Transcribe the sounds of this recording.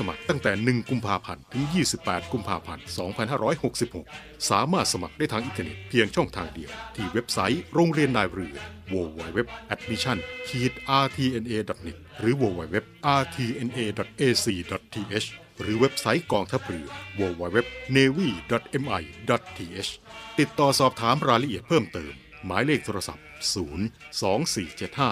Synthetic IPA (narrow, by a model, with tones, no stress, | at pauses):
sa˧ma̰˨˩k̚t̪a˥˩ŋt̪ɛː˨˩nɯ˨˩ŋku˧mpʰaː˧pʰa̰˧nt̪ʰɯ˩˦ŋjiː˥˩si˨˩pːɛː˨˩t̪̚ku˧mpʰaː˧pʰa˧nsɔː˩˦ŋpʰa˧nhɦaː˥˩ɾɔː˦˥jho˨˩k̚si˨˩p̚ho̰˨˩k̚ | saː˩˦maː˥˩t̪̚sa˧ma˨˩k̚da˥˩jt̪ʰaː˧ŋʔi˧nt̪ə˧nḛ˨˩t̪̚pʰi˧əŋt͡ɕʰɔ˥˩ŋt̪ʰaː˧ŋdi˧əwt̪ʰiː˥˩we˦˥p̚sa˦˥jɾoː˧ŋɾi˧ənlaː˧jɾɯː˨˩woː˧waː˧˩jwe˦˥p̚ʔɛ˨˥t̪̚mi˦˥t͡ɕʰa˥˩nkʰiː˨˩t̪̚ʔaː˧t̪ʰiː˧ʔe˧nʔeː˧dɔ˨˩t̪̚ne˨˩t̪̚ɾɯː˩˦woː˧wa˧˩jwe˦˥p̚ʔaː˧t̪ʰiː˧ʔe˧nʔeː˧dɔ˨˩t̪̚ʔeː˧siː˧dɔ˨˩t̪̚ʰːiː˧ʔeː˦˥s | ɾɯː˩˦we˦˥p̚sa˦˥jkɔː˧ŋt̪ʰa˦˥p̚ɾɯː˧˩woː˧waː˧jwe˦˥p̚neː˧wiː˥˩dɔ˨˩t̪̚ʔe˧mʔa˧jdɔ˨˩t̪̚tʰːiː˧ʔe˦˥st̪i˨˩t̪ːɔː˨˩sɔː˨˩p̚t̪ʰaː˨˦mɾaː˧jɾa˧ʔi˨˩ət̪̚pʰɤː˥˩mt̪ɤː˧mː | aː˩˦jleː˥˩k̚t̪ʰoː˧ɾa˧sa̰˨˩p̚suː˩˦nsɔː˩˦˥ŋsiː˨˩t͡ɕe˨˩t̪̚haː˥˩